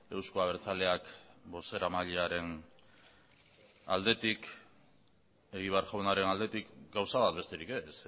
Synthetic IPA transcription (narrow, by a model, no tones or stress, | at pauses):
e̞wskoaβe̞ɾt͡sale̞akbo̞se̞ɾamaʎeaɾe̞n | a̰ld̪e̞t̪ik | e̞ɣiβ̞e̞aɾʝawnaɾe̞nald̪e̞t̪ikɡawsaβat̪̚be̞st̪e̞ɾike̞s